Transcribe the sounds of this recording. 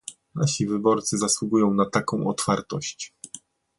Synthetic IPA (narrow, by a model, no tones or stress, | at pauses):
naɕivɘbɔɾt̪sɘzaswuɡujɔ̃w̃nat̪akɔ̃w̃ɔt̪faɾt̪ɔɕt͡ɕ